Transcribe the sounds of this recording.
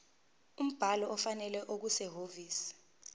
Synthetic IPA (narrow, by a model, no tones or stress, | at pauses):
um̩b̥ʱalɔʔɔfanɛlɛʔok̬usɛɦoviːsi̥